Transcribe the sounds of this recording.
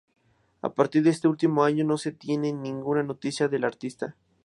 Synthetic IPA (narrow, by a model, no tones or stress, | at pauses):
a̰paɾt̪iɾðees̬t̪eult̪imoaɲono̞se̞t̪je̞nenĩŋɡunanot̪isjaðe̞laɾt̪ist̪a